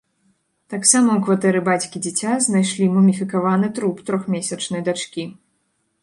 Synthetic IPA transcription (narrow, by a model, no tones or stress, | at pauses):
t̪aksamɐwkvat̪ɛɾɨbat͡sʲkʲid͡zʲit͡sʲaznajʂlʲimɐmʲifʲikavanɨt̪ɾupt̪ɾɔxmʲesʲɐt͡ʂnɐjd̪at͡ʂkʲi